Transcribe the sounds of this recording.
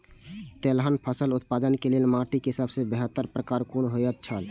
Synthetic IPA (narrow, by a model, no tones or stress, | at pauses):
t̪elɦənpʰəsəlʊt̪̚paːd̪ənkelelmaʈikeɦɪsabsebeɦət̪ːəɾpɾəkaːɾkonɦojət̪̚t͡ʃʰəl